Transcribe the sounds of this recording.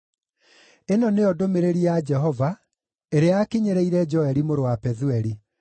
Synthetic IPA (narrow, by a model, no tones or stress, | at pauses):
enɔneɔdomeɾeɾiad͡ʒɛɦɔva | eɾeakiɲeɾeiɾɛd͡ʒɔɛɾimoɾowapɛðuɛɾi